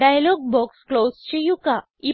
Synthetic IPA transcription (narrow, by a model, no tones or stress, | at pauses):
ajlɔɡ̚bɔksklost͡ɕejuka | i